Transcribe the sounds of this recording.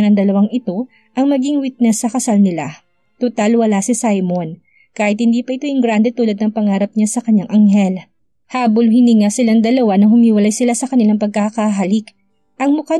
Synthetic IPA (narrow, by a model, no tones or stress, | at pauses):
nɐŋd̪ɐlɐwaŋɪt̪o̞ | ʔɐŋmɐɡiŋwit̪̚nɛsːɐkɐsalnɪla | t̪ʊt̪alwɐlasɪsajmon | kaːhɪt̪̚hɪnd̪iːpɐʔɪt̪o̞jʊŋɡɾand̪ɛt̪uːlɐd̪̚nɐŋpɐŋaːɾɐp̚ɲasɐkɐɲaŋʔɐŋhɛl | haːbolhɪniŋasɪlaŋd̪ɐlɐwanɐhʊmiːwɐlajsɪlasɐkɐnɪlaŋpɐɡ̚kakaɦɐlɪk | ʔɐŋmʊka